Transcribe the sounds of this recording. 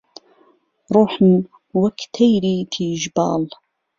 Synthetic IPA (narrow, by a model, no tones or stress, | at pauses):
ɾˤuːħn | wɐkt̪ʰejɾiːt̪ʰiːʒbɑ̰ːl